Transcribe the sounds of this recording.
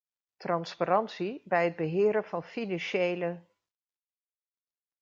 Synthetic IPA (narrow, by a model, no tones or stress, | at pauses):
trɑnspaɾɑntsibɛjɦəd̚bəɦɪːɾənv̥ɑnfinɑnʃejlə